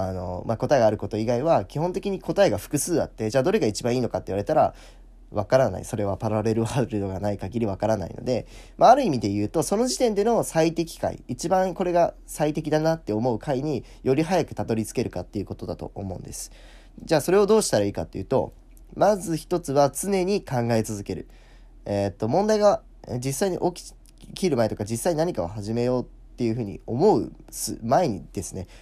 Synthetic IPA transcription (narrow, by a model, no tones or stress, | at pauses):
ano̞̰mako̞t̪aeɡaːɾɯ̟ko̞t̪o̞iɡaiβakʲihõ̞nt̪̬e̞kʲiɲ̟iko̞t̪aeɡaɸɯ̟̥kɯ̟sɨːd̪a̰t̪ːe̞d͡ʑaːd̪o̞ɾe̞ɡait͡ɕibãiːno̞kat̪ːe̞iβaɾe̞t̪aɾa̰ | βakaɾana̰ḭso̞ɾe̞βapaɾaɾe̞ɾɯ̟aɾɯd̪oɡanaikaɡʲiɾʲiβ̞akaɾana̰ḭno̞̰d̪e̞ | mʔaːɾɯ̟imʲid̪e̞jɯ̟ːt̪o̞so̞no̞ʑit̪ẽ̞nd̪e̞no̞sait̪e̞kʲi̥ka̰ḭit͡ɕibãŋko̞ɾe̞ɡa | sait̪e̞kʲid̪anat̪ːe̞o̞mo̞ɯ̟kʰaiɲ̟i | jo̞ɾʲiɦajakɯ̟̥t̪at̪o̞ɾʲit͡sɨ̥ke̞ɾɯ̟kat̪ːe̞iɯ̟ko̞t̪o̞d̪at̪o̞̰ʔo̰mõ̞̰ɯ̰̃nd̪e̞sɨ̥ | d͡ʑaːso̞ɾe̞o̞d̪o̞ːɕi̥t̪aɾaiːkat̪ːe̞jiɯ̟ːt̪o̞̰ | mazɨçi̥t̪o̞t͡sɨβat͡sɨne̞ɲ̟ikãŋɡae̞t͡sɨzɨke̞ɾɯ̟̰ | et̪ːo̞mõ̞nd̪aiɡa | d͡ʑisːaiɲ̟ḭʔo̞kʲi̥ | kʲiɾɯ̟maet̪o̞kad͡ʑisːaiɲ̟inaɲ̟ikaβhaʑime̞jo̞ːt̪ːe̞jɯ̟ɸɯ̟ːɲ̟ḭo̞mo̞ɯ̟sɨ̰maeɲ̟ḭd̪̥e̞sɨne̞